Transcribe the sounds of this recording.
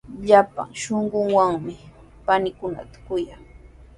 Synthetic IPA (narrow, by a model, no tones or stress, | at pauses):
ʎapa̰ŋʃoɴɢʊŋwaŋmɪ | panɪkʊna̰t̪ḁkʊjaŋ